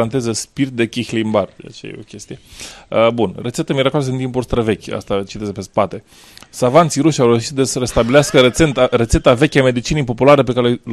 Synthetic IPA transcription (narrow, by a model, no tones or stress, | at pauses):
ant̪e̞zəspirt̪̚d̪e̞kʲixlimbard͡ʒa̰t͡ʃḛjḛo̞̰kʲe̞st̪ijeəbunret̪set̪əmiɾakos̬int̪̬impulst̪ɾəve̞kʲa̰st̪at͡ʃit̪e̞zepe̞spat̪e̞ | savant̪siɾuʃawɾewʃit̪d̪esəɾe̞st̪abileaskəɾeet̪re̞t̪se̞t̪ave̞kʲame̞d̪it͡ʃinijpo̞pulaɾe̞pekaɾeel